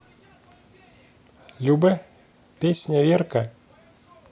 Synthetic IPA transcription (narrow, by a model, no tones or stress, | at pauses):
lʲubɛ | pʲesʲnʲɐvʲerkɐ